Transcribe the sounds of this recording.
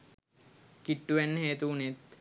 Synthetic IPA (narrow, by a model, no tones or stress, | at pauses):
kiʈːuʋænːəɦeːt̪uːnet̪